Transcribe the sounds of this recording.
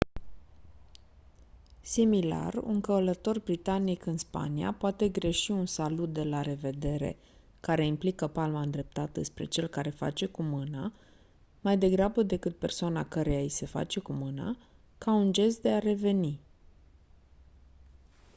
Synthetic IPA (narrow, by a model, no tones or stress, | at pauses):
simila̰rṵŋkələt̪o̞rbɾit̪anikɨnspa̰nia̰poat̪e̞ɡɾe̞ʃiunsalut̪̚d̪e̞laɾe̞ve̞d̪e̞ɾe̞̰ | kaɾe̞implikəpalmaɨnd̪ɾe̞p̚t̪at̪əd̪e̞spɾe̞̰t͡ʃe̞lkaɾe̞fa̰t͡ʃe̞kumɨna | majd̪e̞ɡɾabəd̪e̞kɨt̪̚pe̞rsoanakəɾe̞jajise̞fa̰t͡ʃe̞kumɨna̰ | kaund͡ʒe̞s̬t̪̚d̪e̞aɾe̞ve̞ni